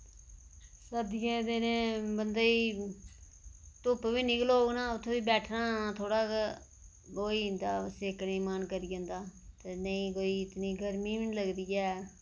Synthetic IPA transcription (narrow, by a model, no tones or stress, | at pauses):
səd̪ɪjẽːd̪ɪnẽːbənd̪aːiː | t̪ʊpʋiːnɪkloːnãːʊt̪ʰːẽːʋiːbɛːʈʰnãːt̪ʰoːɽaːk | koːiːɦɪ̃nd̪aːsɪːknĩːmaːnkəɾijəʊ̃nd̪aːt̪eːnəĩːkoːiːɪt̪niːɡəɾmiːmɪnləɡd̪iːɛː